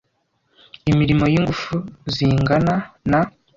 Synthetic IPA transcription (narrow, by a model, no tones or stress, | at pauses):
imiɾimo̞jiŋɡufuziːŋɡanana